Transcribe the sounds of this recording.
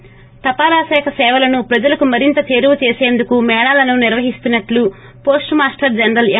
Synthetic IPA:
t̪ɐpaːɾaːsɛːkʰɐsɛːʋɐlɐnupɾɐd͡ʒɐlɐkumɐɾint̪ɐt͡ʃe̞ːɾuʋɐt͡ʃe̞ːseːnd̪ukumɛːɽaːlɐnuniɾʋɐɦist̪unːɐʈlu | po̞ːsʈmaːsʈɐɾd͡ʒɐnɾɐl

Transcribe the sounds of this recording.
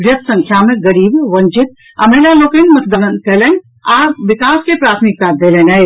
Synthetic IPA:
ʋɾjɐt̪ʰsɐ̃ŋkʰjamẽɡɐɾiːbʋɐ̃ɲt͡ʃɪt̪̚ | ɐmeːlaloːkenmɐt̪d̪ənən̚kɛlen | aːɾʋɪkaːskepɾaːt̪ʰmik̚t̪ad̪eːlenɐe

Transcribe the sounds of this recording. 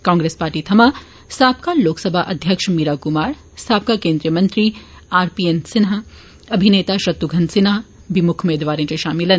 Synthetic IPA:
kãːŋɡɾeːspaːɾʈit̪ʰɐmaː | st̪ʰaːpkaloːksɐbʱaʔɐd̪ʱjəkʃmiːɾakʊmaːɾ | st̪ʰaːp̚kakẽːnd̪ɾijəmɐ̃nt̪ɾi | aːɾpiːensɪnɦa | ɐbʱineːt̪aʃɾɐt̪wuɡʱɐ̃nsɪna | bimʊkʰumeːd̪ʋaːɾẽt͡ʃeʃaːmɪlɐn

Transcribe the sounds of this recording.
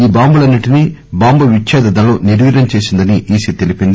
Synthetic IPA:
iːbaːmbulɐnːiʈinibaːmbuʋit͡ʃʃaːd̪ɐd̪ɐloːniɾʋiːɾɐmt͡ʃe̞ːsind̪ɐniʔiːsit̪e̞lipind̪i

